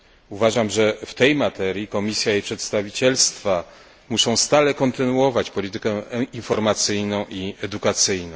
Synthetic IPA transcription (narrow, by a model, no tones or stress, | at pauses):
uvaʐamʐɛft̪ɛjmat̪ɛɾʲjikɔmʲisʲjaipʂɛt̪st̪avʲit͡ɕɛlst̪fa | muʂɔ̃w̃st̪alɛkɔnt̪ɘnuɔvat͡ɕpɔlʲit̪ɘkɛinfɔɾmat̪sɘjnɔ̃w̃iɛd̪ukat̪sɘjnɔ̃ww̃